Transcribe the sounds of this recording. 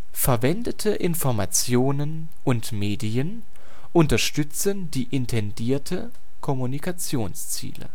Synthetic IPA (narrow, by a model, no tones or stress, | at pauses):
fɛɐvɛndətʰəʔɪnfɔɐma̰t͡sjoːnən | ʔʊntmeːdiən | ʔʊntɐʃtʏt͡səndiːʔɪntʰɛndiːɐtʰə | kʰɔmunikʰat͡sjoːnst͡sḭːlə̰